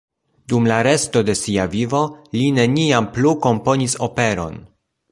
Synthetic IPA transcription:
dumlaɾe̞sto̞de̞siavivo̞line̞niampluko̞mpo̞niso̞pe̞ɾo̞̰n

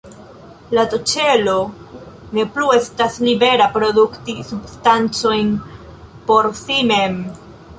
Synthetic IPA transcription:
latot͡ʃe̞lo̞ | ne̞plue̞staslibe̞ɾapɾo̞duktisubstant͡so̞jn | po̞ɾsime̞m

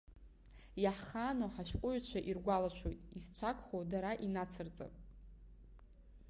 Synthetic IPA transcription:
jaħχanoħaʃʷᶣqʷʼʊʕt͡ɕʷʰaʔirɡʷalat͡ʃʷʰojtʼist͡ɕʷʰakʰʷʼχowdaɾaʔinat͡sʰɨrt͡sʼa̰pʼ

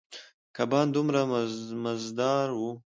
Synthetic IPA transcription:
kabɑːnd̪umɾamazd̪ɑɾwu

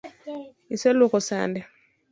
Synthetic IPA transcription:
isɛlukɔsa̰ndɛ

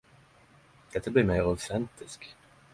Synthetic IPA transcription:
d̪̥ɛt̪ʰːabliːɾmeɪɾaʊt̪ɛnt̪ɪsk

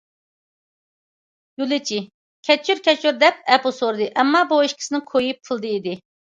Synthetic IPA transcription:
julˠɪt͡ʃʰi | kʲʰɛt͡ʃʰːyɾkʲʰɛt͡ʃʰyɾd̪ɛp̚ɛposoɾd̪ɨʔɛmːɑbueʃkʲʰɪ̥sɪnɪkʰojup̚kʰɨlˠd̪ɨid̪ɪ

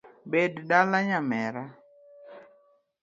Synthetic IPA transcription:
beddalaɲamɛɾa

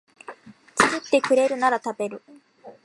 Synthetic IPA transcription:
t͡sɨzɨt̪ːe̞kɯ̟ɾe̞ɾɯ̟naɾat̪abe̞ɾɯ̟

